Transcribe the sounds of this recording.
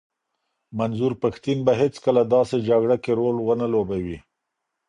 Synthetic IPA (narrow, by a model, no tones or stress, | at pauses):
manzuɾpaxt̪inbaɦet͡skəlad̪ɑsed͡ʒaɡɽakeɾolwənalobawi